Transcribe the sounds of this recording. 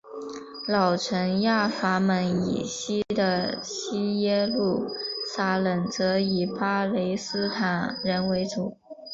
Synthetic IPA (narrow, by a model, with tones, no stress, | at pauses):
lɑ˨˩ʊʈ͡ʂʰə˧˥ŋja˥˩fa˥mə˧˥nḭ˨˩ɕi˥d̪ə˨ɕi˥jɛ˥lu˥˩sa˥lə˨˩nt͡sɤ˧˥i˨˩pa˥le˧˥ɪsɹ̩˥t̪ʰa˨˩nɻə˧˥nwe˧˥ɪt͡su˨˩˦